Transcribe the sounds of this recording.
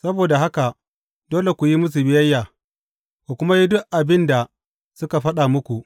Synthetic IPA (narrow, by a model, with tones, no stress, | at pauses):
sɐ˦boː˨da˨ɦa˦ka˨ | doː˦le˨kʷu˨ji˦mʊ˦s̬u˨bɪ˦jɐ˦jːaː˨ | kʷu˨kʷʊ˦ma˦ji˦dʊ˦ʔʔa˨bɪ˦nda˨ | sʊ˦ka˨ɸɐ˦ɗa˨mʊ˦kʷu˨ʔ